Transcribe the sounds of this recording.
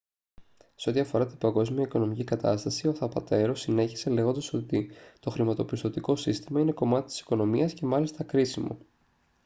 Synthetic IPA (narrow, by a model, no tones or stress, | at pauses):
seo̞t̪iɐfo̞ɾɐt̪ibɐŋɡo̞zmiɐiko̞no̞micikɐt̪ɐst̪ɐsio̞θɐpɐt̪e̞ɾo̞sine̞çi̥se̞le̞ɣo̞nd̪ɐso̞t̪it̪o̞xɾimɐt̪o̞pist̪o̞t̪iko̞sist̪imɐine̞ko̞mɐt̪i̥t̪i̥si̥ko̞no̞miɐsce̞mɐlist̪ɐkɾisimo̰